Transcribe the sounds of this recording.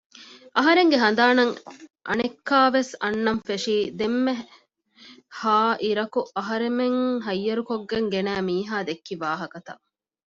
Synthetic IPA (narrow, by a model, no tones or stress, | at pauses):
ʔɐɦɐɾeŋɡeɦɐnd̪aːnɐŋʔɐ̰nekːaːʋesɐnːɐmfeʂiːd̪emːe | haːʔiɾɐkuʔɐɦɐɾemeŋɦɐjːɐɾukoɡːeŋɡenæːmiːɦaːd̪ekːiʋaːɦɐkɐt̪ɐ̰ʔ